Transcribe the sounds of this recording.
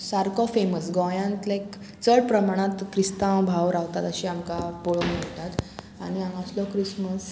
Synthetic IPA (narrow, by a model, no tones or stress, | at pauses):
saɾkɔfeməsɡɔjãnt̪lak | t͡səɽpɾəmaɽ̃ãt̪kɾist̪ãbʱaʋɾaʋt̪at̪əɕiamkapoɭɔməɭt̪at̪ | a̰ɽ̃iãŋɡaslɔkɾisməs